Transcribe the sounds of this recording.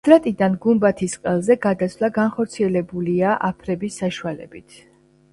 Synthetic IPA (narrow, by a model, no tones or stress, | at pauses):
d̪̥ɾat̪ʼid̪anɡumbat̪ʰisqʼɛlˠzɛɡad̪asʰvlˠaɡanχɔɾt̪sʰiɛlɛbuliaʔapʰɾɛbisːaʃualɛ̰bit̪ʰ